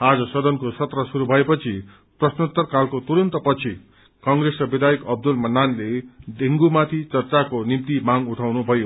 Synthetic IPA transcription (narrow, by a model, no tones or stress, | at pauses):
ad͡zʌsʌd̪ʌnkosʌt̪rʌsuɾubʱʌepʌt͡sʰi | prʌsnot̪ːʌrkalkot̪uɾʌnt̪ʌpʌt͡sʰi | kʌŋresrʌbed̪ʱajikʌb̚d̪ulmʌnːanled̪ʱeŋɡumat̪ʰit͡sʌrt͡sakonimt̪imaŋuʈʰawnubʱʌjo